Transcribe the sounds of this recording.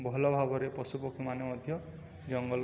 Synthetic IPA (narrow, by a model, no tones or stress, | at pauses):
bɔɦlɔbʱabɔɾepɔsupɔkʰimanemɔd̪ʱjɔ | d͡ʒɔŋɡɔl